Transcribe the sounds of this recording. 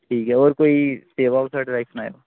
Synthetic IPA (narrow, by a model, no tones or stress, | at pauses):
ʈʰiːkɦɛɔːɾkoːiseːʋaːlsaːʈɪɾaɪksnaːḛoː